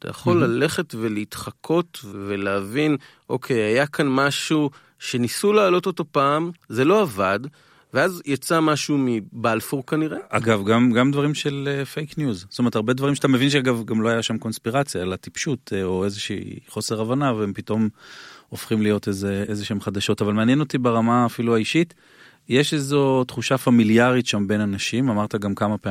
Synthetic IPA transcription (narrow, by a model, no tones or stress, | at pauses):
tʰa̰ja̰χo̞lːale̞χe̞tve̞leit̪χakʰo̞tvveleavin | ʔo̞kʰe̞jajakʰanmaʃu | ʃe̞nisulaːlo̞t̪o̞t̪o̞paːmze̞lo̞avad | veazjat͡samaʃumibalfuʁkaniʁe̞ʔaɡavɡamɡamd̪vaʁimʃelefejknjuzst̪omet̪aʁbe̞d̪vaʁimeat̪ame̞vinʃeaɡavɡamlo̞hajaʃamko̞nspiʁat͡sjaelatipʃutoe̞zeʃḭːχo̞se̞ʁavanaveempito̞mofχimlijo̞tezeezeʃeemχad̪aʃo̞tavalmeanjeno̞t̪ibeʁamaːfiluaiʃit | jeʃezotχuʃafamiljaʁitʃambe̞nanaʃimamaʁt̪aɡamkamapea